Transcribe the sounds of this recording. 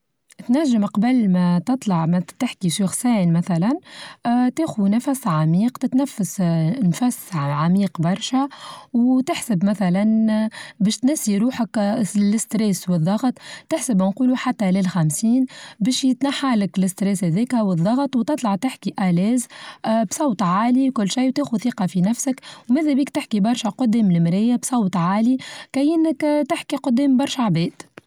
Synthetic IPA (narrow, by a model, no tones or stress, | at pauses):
t̪næʒːɪmqɑbəlmæt̪ɨt̪ˤlɑʕmæt̪ɪħkiʃuxsæːnmæθælæn | t̪eːxunæfæsʕamiːqt̪ɪt̪næfːasnfæsʕamiːqbɑɾˤʃæwt̪ɪħsɪbmæθælænbɛːʃt̪næsːiɾuːħaklɪst̪ɾeːswɨðˤːɑɣt̪ˤːɪħsɪbænquːluħat̪ːælɪlxamsiːnbɛːʃjɪt̪naħːaːlɪklɪst̪ɾɛːshæðeːkhæwɨðˤːɑɣt̪ˤwt̪ɨt̪ˤlɑʕt̪ɪħkiʔælɛːzbsˤɑwt̪ˤʕaːlikʊlːʃajːwt̪eːxuθiːqɑfinæfsəkwmæːðæbiːkt̪ɪħkibɑɾˤʃæqʊd̪ːɛːmlɪmɾɪjːabsˤɑwt̪ˤʕaːlikæjɪnːəkt̪ɪħkiqʊd̪ːɛːmbɑɾˤʃaʕbɛːd̪̥